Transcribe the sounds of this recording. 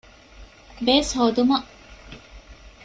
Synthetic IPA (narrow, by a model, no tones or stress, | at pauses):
beːshoːd̪umɐ